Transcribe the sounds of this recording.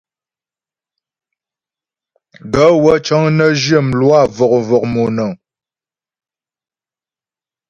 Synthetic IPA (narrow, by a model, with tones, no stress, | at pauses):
ɡə˨˦wə˦t͡ʃɔ˦ŋnə˦d͡ʒjə˦˨mlwa˦˨vɔ˨k̚vɔ˨k̚mo˨nə˨ŋ